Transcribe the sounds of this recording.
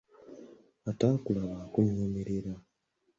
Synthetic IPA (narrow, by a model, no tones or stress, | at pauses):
ataːkulaβaːkuɲoːmeɾeɾa